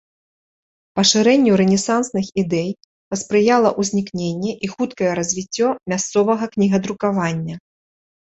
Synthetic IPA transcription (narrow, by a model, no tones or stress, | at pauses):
pɐʂɨɾɛnʲːuɾɛnʲɛsansnɨxid̪ɛj | pɐspɾɨjalˠɐʔuzʲnʲiknʲenʲːɛʔixut̪kɐjɛɾɐzʲvʲit͡sʲːɔmʲast̪sɔvɐɣɐknʲiɣɐd̪ɾukavanʲːɐ